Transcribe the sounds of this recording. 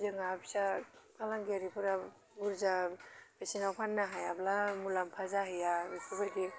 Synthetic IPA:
zɯŋabi̥sakalaŋɡeɾipʰɯɾa | buɾzabesinawpʰanːaɦajablamulampʰazaɦijabipʰubaɾɡi

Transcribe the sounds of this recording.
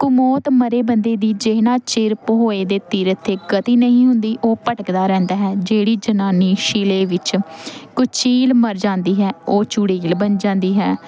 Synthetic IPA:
kʊmoːt̪məɾeːbənd̪eːd̪iːd͡ʒeːnãːt͡ʃɪɾpɦoːeːd̪eːt̪iːɾət̪ʰːeːɡət̪iːnəɦĩːɦʊnd̪iːʔoːpəʈəkd̪aːɾɛ̃ːnd̪aːɦɛːd͡ʒeːɽiːd͡ʒənaːniːʃɪleːʋɪt͡ʃkʊt͡ʃʰiːlməɾd͡ʒãːnd̪iːɦɛːoːt͡ʃuːɽiːlbənd͡ʒãːnd̪iːɦɛː

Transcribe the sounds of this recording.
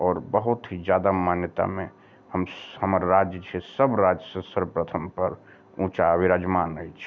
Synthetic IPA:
ɔːɾbəɦut̪ɦid͡ʒjad̪amanjət̪a̰mẽ | həmhəməɾɾad͡ʒjət͡ʃʰesəbɾad͡ʒəsəsəɾpɾət̪ʰəmpəɾ | ũt͡ʃaəbiɾəd͡ʒmanəit͡ʃʰ

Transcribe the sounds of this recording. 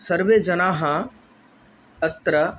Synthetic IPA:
sɐɾʋeːd͡ʒɐnaːɦã | ət̪ɾə

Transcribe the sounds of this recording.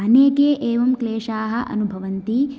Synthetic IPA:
ɐneːkeːʔeːʋɐmkleːʂaːɦɐʔɐ̰nubʱɐʋɐnt̪i

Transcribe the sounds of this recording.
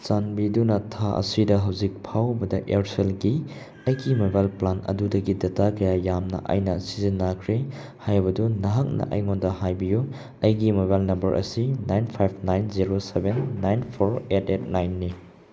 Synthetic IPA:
t͡ʃanbidunɐtʰaʔɐ̰sidɐɦɐwzik̚pʰawbɐdɐʔeɾselɡi | ɐjɡimobajlplanɐ̰dudɐɡidɐtakɐjajamnɐ̰ʔa̰jnɐsizinːakʰɾe | hajbɐdunɐɦɐk̚nɐ̰ʔɐ̰jŋondɐɦajbiju | ɐjɡimobalnɐmbɐɾʔɐ̰sinajnpʰajp̚ʰnajnziɾosebenːajnpʰoɾetet̚najnːi

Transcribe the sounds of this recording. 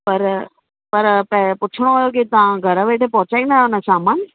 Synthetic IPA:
pɐɾ | pɐɾpɐpʊt͡ɕʰɪɽ̃oɐjok̬it̪ɐʋãɡʱɐɾəʋeːʈʰepɔ̃ɦʊt͡ɕaːinaːʊnəsaːmaːn

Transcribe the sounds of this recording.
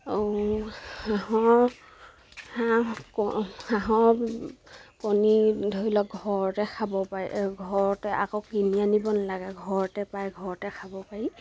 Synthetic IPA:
o | aɦɔ | hakɔhaɦɔ | konidʱoɹilɔkɡʱɔɹtɛkʰabɔpaɹiɡʱɔɹɔtɛʔa̰kokinianibɔnalaɡɛɡʱɔɹɔtɛpajɡʱɔɹɔtɛkʰabɔpaɹi

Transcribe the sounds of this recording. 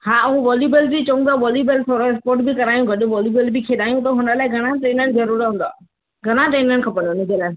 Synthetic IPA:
haːʊɦuʋɔːljubəlbit͡ɕõũɡ̪d̪aːʋɔːljibəlsoɾoɪspoːɾʈbikɐɾaːjũɡʱɐɗʊʋɔːljuːbəlbɪkʰeːɗ̪aːijũt̪əɦʊnəlaːɪɡʱɐɽ̃aʈeːnəñɪ̆zɐɾuːɾɦũːnd̪a̰ː | ɡʱɐɽ̃aʈeːnəñɪ̆kʰɐpə̃nd̪onɪd͡ʑelaː

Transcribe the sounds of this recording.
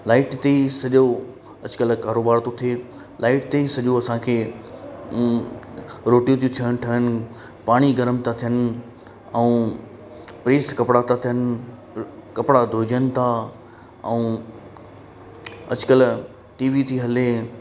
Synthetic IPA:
laːɪʈt̪esɐʄo | ɐd͡ʑkəlkaːɾoːbaːɾt̪ot̪ʰeː | laːɪʈt̪eisɐʄoɐsãkʰeː | ɾoːʈjũt̪ijũt̪ʰijəɽ̃ʈʰiənɪ̆ | paːɽ̃iɡɐɾəmt̪ʰat̪ʰijənɪ̆ | ɛ̃ũ | pɾeːskɐpɽat̪ʰat̪ʰijənɪ̆ | kɐpɽad̪ʱoːd͡ʑənɪ̆t̪ʰa | ɛ̃ũː | ɐ̰d͡ʑkəl | ʈiːʋit̪ʰiːɦɐle

